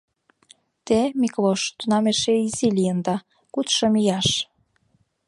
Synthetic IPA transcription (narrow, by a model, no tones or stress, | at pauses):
t̪emikloʃt̪unɑmeʃeizilʲijənd̪ɑ | kut̪ʃɤ̆mijɑʃ